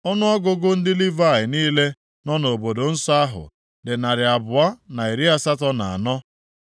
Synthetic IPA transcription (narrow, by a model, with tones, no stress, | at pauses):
ɔ˦nʊ˦ɔ˦ɡʊ˦ɡʊ˦n̩˦dɪ˦li˦va˦˨ɪ˨niː˦le˦ | nɔ˦n˨o˨bo˨do˨n̩˦sɔ˦a˦ɦʊ̰˨ | dɪ˨na˨ɾɪ˨a˨bʊ˨a˦na˨i˨ɾi˦a˦sa˦tɔ˦na˨a̰˨nɔ˦